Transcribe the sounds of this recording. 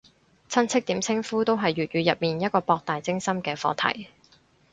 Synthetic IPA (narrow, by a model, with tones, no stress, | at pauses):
t͡sʰɐ˥nt͡sʰɪ˥k̚t̪iː˨˥mt͡sʰɪ˥ŋfuː˥t̪o˥wɦɐ˨jːyː˨t̚ɥyː˨˧jɐ˨p̚miː˨˩njɐ˥t̚kɔː˧pɔː˧k̚t̪aː˨jt͡sɪ˥ŋsɐ˥mkɛː˧fɔ̰ː˨˧t̪ʰɐ̰˨˩j